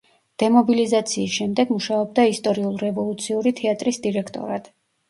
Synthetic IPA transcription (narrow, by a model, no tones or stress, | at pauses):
d̪̥ɛmɔbilizat̪sʰiːsʃɛmd̪ɛɡmuʃaɔb̚d̪aist̪ʼɔɾiulˠɾɛvɔlˠut̪sʰiuɾit̪ʰɛat̪ʼɾisd̪iɾɛkʰt̪ʼɔ̰ɾad̪̥